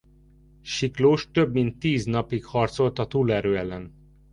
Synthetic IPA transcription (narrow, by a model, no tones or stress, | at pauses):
ʃikloːʃt̪ø̞bmint̪ːiːznɒpikhɒrt̪so̞lt̪ɒt̪uːlɛɾøːɛlːɛn